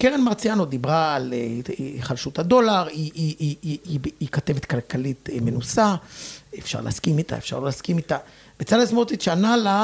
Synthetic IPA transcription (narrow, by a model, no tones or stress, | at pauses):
keʁenmaʁt͡sijanod̪ibʁaːleχalʃut̪had̪o̞laʁi | ikat̪e̞vet̪kalkalit̪menusaefʃa̰ʁlḛaskimit̪a̰efʃa̰ʁlolaskimit̪a | vet͡salasmotitʃanala